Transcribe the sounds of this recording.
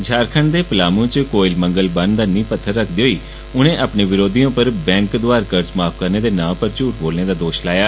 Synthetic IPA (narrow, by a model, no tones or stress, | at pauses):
d͡ʒʱaːɾkʰəɳd̪eːpəlaːmõːt͡ʃəkoːɪlməŋɡəlbənd̪aːnĩːpət̪ʰːəɾːəkʰd̪iːɦoiː | ʊnẽːʔaːpneːʋɪɾoːd̪iːõːpəɾbɛ̃ːŋkd̪ʊaːɾkəɾt͡ʃmaːpʰkəɾneːd̪eːnãːpəɾt͡ʃuːʈ̚boːlneːd̪aːd̪oːʃlaːjaː